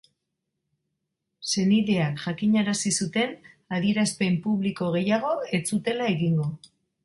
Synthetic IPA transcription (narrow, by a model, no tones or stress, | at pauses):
se̞niðe̞akʝakiɲaɾasisut̪e̞n | aðie̞ɾaspe̞mpuβ̞liko̞ɣ̞e̞jaɣ̞o̞et͡sut̪e̞lae̞ɣiŋɡo̞